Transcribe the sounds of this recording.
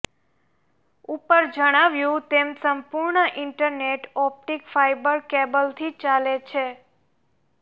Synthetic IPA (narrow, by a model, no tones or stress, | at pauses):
upəɾd͡ʒəɽ̃aʋjũt̪emsəmpuɾɳəʔɪɳʈəɾneʈɔp̚ʈikfajbəɾkebəlt̪ʰit͡ʃalet͡ʃʰe